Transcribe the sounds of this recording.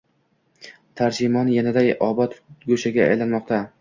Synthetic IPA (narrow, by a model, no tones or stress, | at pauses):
t̪ʰaɾd͡ʒɪmɒnjanad̪ajɒbɒt̪ɡoʃaɡʲaa̰jlanmɒqt̪ʰa